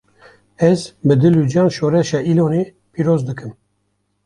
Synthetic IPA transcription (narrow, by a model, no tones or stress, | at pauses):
ɛzbɨd̪ɨlud͡ʒɑːnʃoːɾɛʃɑːilone | pʰiɾoːzd̪ɨkɨm